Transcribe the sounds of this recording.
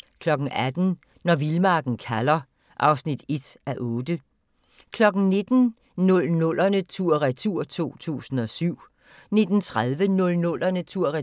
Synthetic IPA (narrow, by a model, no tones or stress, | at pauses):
kʰlɒ̽ɡ̥n̩æd̥n̩ | nɒʋilmɑ̈ːɡ̥n̩kʰælɐ | ʔɑ̈ʊsnid̥e̝d̥æʔɔ̽ːd̥ə | kʰlɒ̽ɡ̥n̩ne̝d̥n̩ | nɔ̽lnɔ̽l̰ʔɐnət͡sʰuɐ̰ʁɛt͡sʰuɐ̰t͡sʰo̝̰ːt͡sʰṵːsn̩ɒ̽syʊ̰ | ne̝d̥n̩t͡sʰʁaðˠʋənɔ̽lnɔ̽l̰ɐnət͡sʰuɐ̰ʁɛ